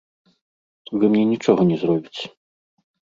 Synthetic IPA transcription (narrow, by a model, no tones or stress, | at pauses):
vɨmnʲɛnʲit͡ʂɔɣɐnʲɛzrɔbʲit͡sʲ